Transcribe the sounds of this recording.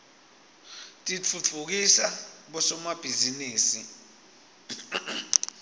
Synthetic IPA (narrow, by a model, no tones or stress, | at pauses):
tʼit͡fʰut͡fʰuk̬isaɓɔsɔmab̥ʱiziniːsi